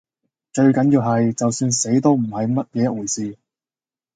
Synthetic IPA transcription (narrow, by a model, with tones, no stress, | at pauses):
t͡ʃɵ˧ɥkɐ˨˥njiː˧wɦɐ˨jt͡sɐ˨wsyː˧nse˨˥jt̪o˥wm̩˨˩hɐ˨jmɐ˥t̚jɛː˧jɐ˥t̚wuː˨˩jsiː˧